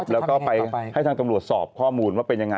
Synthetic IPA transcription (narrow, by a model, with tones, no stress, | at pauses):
lɛː˦˥kɔː˥˩pa˧jha˥˩jt̪ʰaː˧ŋt̪a˧mɾu˨˩ət̪̚sɔː˨˩p̚kʰɔː˥˩muː˧nwaː˥˩pe˧nja˧ŋa˧